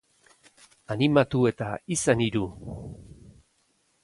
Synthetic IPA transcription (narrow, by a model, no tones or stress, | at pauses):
animat̪ue̞t̪aisaniɾu